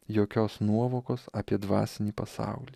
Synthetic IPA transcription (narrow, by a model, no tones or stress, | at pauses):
joːkʲoːsnuɔʋoːkoːsɑːpʲiɛd̪ʋɑ̰ːsʲɪnʲiːpɐsɑ̰ˑʊlʲiː